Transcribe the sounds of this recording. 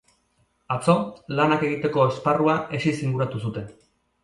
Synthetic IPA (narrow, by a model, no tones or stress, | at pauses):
at͡so̞lanake̞ɣ̞it̪e̞ko̞esparuae̞sisiŋɡuɾat̪usut̪e̞n